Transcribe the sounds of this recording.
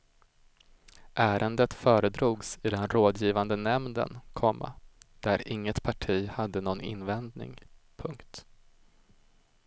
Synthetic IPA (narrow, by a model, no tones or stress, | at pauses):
ʔæːɾʔənd̪ət̪fœːɾəd̪ɾuːɡsɪd̪ɛnɾoːd̪jiːvand̪ənɛmnd̪ə̰nkʰɔmːa̰d̪̥æɾɪŋːət̪pʰaʈʰiːhad̪ːənɔnɪ̰nːvɛnd̪nɪ̰ŋpʰɵŋkt̪